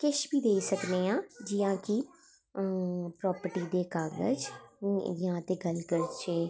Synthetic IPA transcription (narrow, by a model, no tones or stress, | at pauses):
kɪʃbiːd̪eːisəkneːãːd͡ʒɪjãːki | pɾɔːpəɾʈiːd̪eːkaːɡə̰d͡ʒ | jãːt̪eːɡəlkəɾt͡ʃeː